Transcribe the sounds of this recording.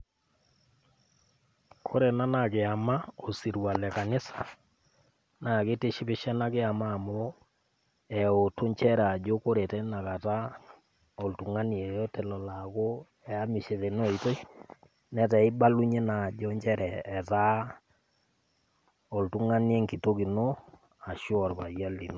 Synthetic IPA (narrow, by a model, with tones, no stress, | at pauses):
kʰo˦ɾeɛ˨na˦na˨kɪ˨a˨ma˦o˨si˨ɾwa˨lɛ˨ka˨nɪ˦sḁ˨ | na˨kɪ˦tɪ˦ʃɪ˦pɪ˦ʃɛ˦na˦kɪ˦a˨maː˦˨mʊ˦o˦ | ɛ˨o˨tʊ˦ɲt͡ʃɛ˦ɾa˨d͡ʒo˦ko˦ɾe˨tɛ˦na˨ka˨ta˦ | ɔ˨ltu˨ŋa˦ni˨jɔ˦tɛ˦lɔ˨la˨ko˦ | ɛ˨a˦mɪ˨ʃɛ˨te˨no˦i˨to˦ | nɛ˦tɛ˨ɪ˦ba˦lu˦ɲe˦na˨d͡ʒɔ˦ɲt͡ʃɛ˦ɾɛː˨ta˦ | ɔ˨ltu˦ŋa˦ni˦e˦ŋki˨to˦ki˨no˦ | a˨ʃɔ˨rpa˨ja˦li˨no˦˨˦